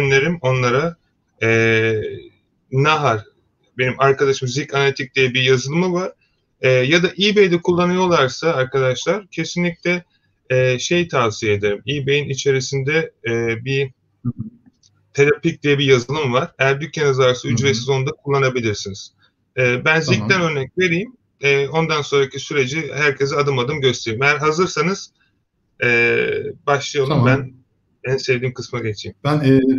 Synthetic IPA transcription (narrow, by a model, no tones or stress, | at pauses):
ynlʲeɾimo̞nlˠaɾa | ɛ | naɦaɾ | be̞nimaɾkad̪aʃɯmzicanalʲit̪ʰic̚d̪̥ijɛbijazɯlˠɯmɯvaɾ̥ | ɛːjad̪aʔibejd̪ɛkʰulˠːanɯjo̞lˠaɾsaaɾkʰad̪aʃlˠaɾ̥cʰe̞sinʲic̚lʲɛː | ʃe̞jt̪ʰaːsijeed̪e̞ɾimiːbejinit͡ʃʰe̞ɾisind̪ɛːbi | t̪ʰelʲapic̚d̪ijɛbijazɯlˠɯmvaɾ̥ejæɾd̪ycʰːenazaɾsayd͡ʒvesizo̞nd̪akʰulˠːanabilʲiɾsiniz̥ | ɛːbænziænø̞ɾnɛcve̞ɾijim | ɛːo̞nd̪anso̞nɾacʰisyɾe̞d͡ʒihæɾcʰe̞zɛad̪ɯmad̪ɯmɟøst̪ʰe̞ɾimejæɾɦazɯɾsanɯz̥ | ɛːbaʃlˠɯjalˠumbæn | ɛnse̞vd̪iːmkʰɯsmaɟe̞t͡ʃʰijimn